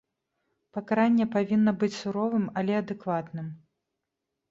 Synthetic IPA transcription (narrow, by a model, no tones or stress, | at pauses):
pɐkaɾanʲːɛpavʲinːɐbɨt͡sʲsuɾɔvɨmɐlʲɛɐd̪ɨkvat̪nɨm